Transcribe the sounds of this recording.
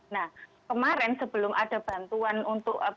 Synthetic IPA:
nah | kəmaɾɛnsəb̥ə̤lʊmʔad̥a̤b̥a̤nt̪uanunt̪ʊʔ

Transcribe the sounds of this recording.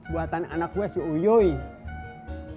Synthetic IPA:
buat̪ana̰nakɛsiojoi

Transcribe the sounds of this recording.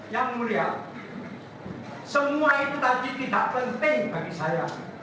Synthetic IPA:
jaŋmulia | səmuait̪ut̪adit̪id̪aʔpənt̪ɪŋb̥aɡisaja

